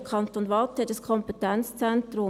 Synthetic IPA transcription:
kʰɑnt̪oːnʋɑt̪ɛdəskʰɔmpɛt̪ɛnt͡st͡sɛnt̪ɾʊ

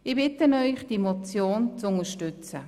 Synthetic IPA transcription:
ɪbɪtənœʏχd̥imɔt͡sjoːnt͡sʊnəʃtʏt͡sə

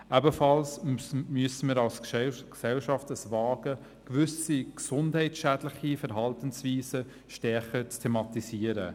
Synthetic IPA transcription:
ʔɛbəfɑlsmyəsəmiːɾɑlsksɛlʃɑftəsvɑːɡə | kʋʏsiksʊndhɛɪtʃæːdlɪχifəɾɦɑltənsviːsə | ʃtɛɾχət͡stʰemɑt̪isiəɾə̰

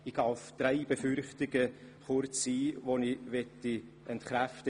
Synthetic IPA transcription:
iɡ̥ɑʊfd̪̥ɾɛɪb̥efʏɾχtɪɡə | χʊɾt͡sːiːvonivɛtːi | ʔɛntχɾæftə

